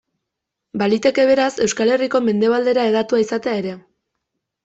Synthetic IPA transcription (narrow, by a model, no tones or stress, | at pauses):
balit̪e̞ke̞β̞e̞ɾase̞wskale̞riko̞me̞nd̪e̞β̞ald̪e̞ɾae̞ð̞at̪uaisat̪e̞aeɾe̞